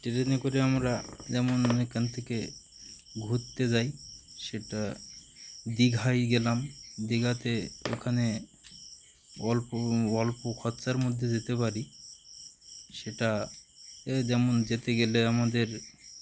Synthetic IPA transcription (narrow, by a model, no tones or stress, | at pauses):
ʈeɾenekoɾeamɾad͡ʑɛmonekʰant̪ʰeke | ɡʱut̪ːed͡ʑajʃeʈa | d̪iɡʱajɡɛlamd̪iɡat̪eo̰kʰane | ɔlpoɡɔlpokʰɔt̪ːsaɾmod̪ʱːed͡ʑet̪epaɾi | ʃeʈa | d͡ʑɛmond͡ʑet̪eɡeleamad̪eɾ